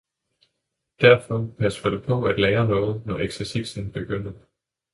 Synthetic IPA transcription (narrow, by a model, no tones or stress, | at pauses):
d̥æɐfɒ̽pʰæsʋɐd̥epʰɒ̽æd̥lɛːɐnɔ̽ːð̞̩ˠnɒeɡ̥sɛsisn̩b̥e̝ɡ̥øn̰ˠ